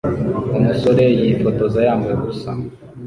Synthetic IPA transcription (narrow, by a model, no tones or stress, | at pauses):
umusoɾejifoto̞zajaːmɡweɡusa̰